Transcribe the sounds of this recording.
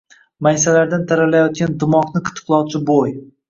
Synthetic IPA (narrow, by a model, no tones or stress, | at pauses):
majsalaɾd̪ant̪ʰaɾalajɒt̪̚kʲand̪ɪmɒqnɪqʰʊ̥t̪ʰɨ̥qlˠɒwt͡ʃʰɪboj